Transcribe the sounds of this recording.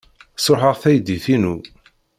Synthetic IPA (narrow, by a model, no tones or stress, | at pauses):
soħəʁθæjd̪iθinu